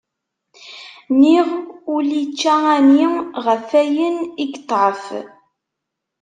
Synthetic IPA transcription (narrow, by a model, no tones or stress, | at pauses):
niʁʊlit͡ʃːææniʁəfæjəniɡt̪ˤːʕəf